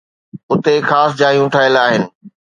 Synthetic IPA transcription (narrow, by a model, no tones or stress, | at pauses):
ʊt̪exaːsd͡ʑaːɦijũʈʰaːɪlaːɦɪnɪ̆